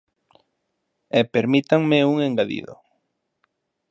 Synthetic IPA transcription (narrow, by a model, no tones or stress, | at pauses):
ɛpeɾmit̪aŋmeuŋeŋɡaðḭðʊ̰